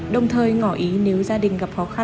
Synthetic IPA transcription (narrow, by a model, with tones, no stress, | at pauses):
ɗə˨˩wŋ͡mt̪ʰəː˨˩jŋɔ˧˩ʔi˨˦ne˨˦wzaː˧ɗï˨˩ŋ̟ɣə˨˩p̚xɔ˨˦xa˧